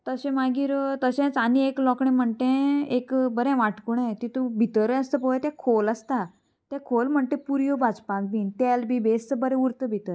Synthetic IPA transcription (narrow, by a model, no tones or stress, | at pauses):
t̪əɕɛ̃maɡiːɾt̪əɕɛ̃t͡sanieklɔkɳẽm̤əɳt̪ẽekbəɾɛ̃ʋaʈkuɳ̃ẽt̪it̪ubʱit̪əɾəəst̪əpoet̪ɛ̃kʰoləst̪a | t̪jɛkʰolm̤əɳt̪ẽpuɾjobad͡zpakbiːnt̪ɛlbʱibest͡səbəɾɛ̃uɾt̪əbʱit̪əɾ